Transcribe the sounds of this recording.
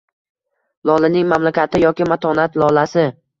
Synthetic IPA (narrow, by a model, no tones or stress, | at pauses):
lˠɒlɪnɪŋmamlakʲʰat̪ʰɪjɒkʲɪmat̪ʰɒnat̪lɒlasɪ